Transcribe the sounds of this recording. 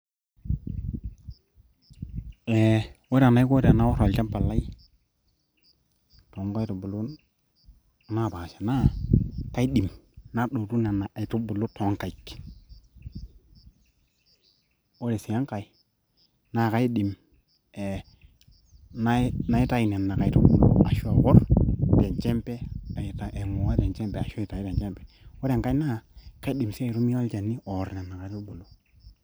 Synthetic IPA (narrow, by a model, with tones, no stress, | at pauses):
e˨wo˦ɾa˨na˦i˦ko˦ɾe˨na˦wo˦ɾo˨lt͡ʃa˦mpa˨lːa˦i˦ | to˨˦ŋka˦i˦tu˨bu˨lu˦ | na˦˨ba˨ʃḁ˨na˦ka˦i˦ɗi˨mna˦ɗo˨tu˦na˨na˨ʔa˨i˨tu˦bu˨lu˦to˨˦ŋ˨ka˨i˨k | wo˦ɾe˨si˨a˦ŋka˨i˦ | na˦˨ka˦i˦ɗi˨m | e˨ | na˦na˦i˦ta˦ji˨ne˨nːa˨ka˨i˦tu˦bṵ˨lo̰˦a˨ʃu˦a˨wɔ˦ɾte˨nt͡ʃe˦mpe˦a˨i˨ta˨ʔe˨mo˨wa˦te˨nt͡ʃe˦mpe˨a˨ʃta˨˦i˦ɾe˨t͡ʃe˦mpe̥˨ | wo˦ɾe˨ŋka˦i˦na˦˨ka˦i˦ɗi˨msi˦a˨i˨ɾu˦mi˦o˦lt͡ʃa˨nːi˦o˨ɾne˨nːa˨ka˨i˦tu˦bu˨lu˦